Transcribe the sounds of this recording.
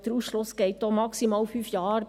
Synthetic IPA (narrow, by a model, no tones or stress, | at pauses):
d̥̪əɾuːsʃlʊsɡ̥ɛɪt̚d̪̥omɑksimɑːlfyːfjɑːɾ